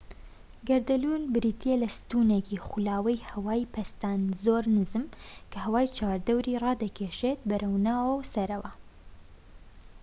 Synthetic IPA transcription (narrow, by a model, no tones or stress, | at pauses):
ɡɐɾd̪ɐluːnbɨɾit̪ʰijelɐst̪unekiχulaːwɐjhɐwaːjpʰɐst̪aːnzoːɾnɨzɨmkʰɐhɐwaːjt͡ʃʰaːɾd̪ɐwɾiːrˤɑːd̪ɐkʰeːʃet̪̚bɐɾʔɐwnaːwɐwsɐɾɐwɐ